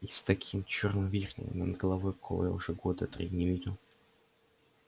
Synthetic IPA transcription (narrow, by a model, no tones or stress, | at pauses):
ist̪ɐkʲʰimt͡ɕornvʲirnʲɪ̰jə̰mʲənd̪ɡəlˠɐvojkɐkʰo̰və̰ja̰ʊʐɛɡod̪ət̪ɾʲḭnʲɪvʲidʲʊ